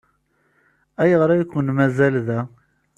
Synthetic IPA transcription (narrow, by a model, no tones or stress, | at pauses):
æjəʁɾˤæjkʷːənmæzælðæ